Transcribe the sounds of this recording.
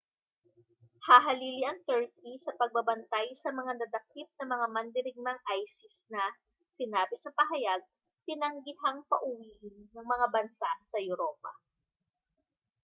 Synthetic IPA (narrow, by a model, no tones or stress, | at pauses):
haːɦɐliːliʔɐŋt̪ɛɹkisɐpɐɡ̚bɐbɐnt̪ajsɐmɐŋanɐd̪ɐk̚ɪp̪̚nɐmɐŋamɐnd̪ɪɾɪɡ̚nɐŋʔajsɪsnɐ | sɪnaːbɪsɐpɐɦɐjaɡ̚ | t̪ɪnɐŋɡɪhaŋpɐʔʊwiːʔɪnːɐŋmɐŋabɐnsasɐjʊɾoːpɐ̰